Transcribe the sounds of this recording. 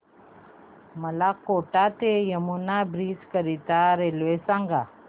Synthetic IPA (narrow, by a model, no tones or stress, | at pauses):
məlakoʈat̪ejəmunabɾid͡zkəɾit̪aɾelʋesãŋɡa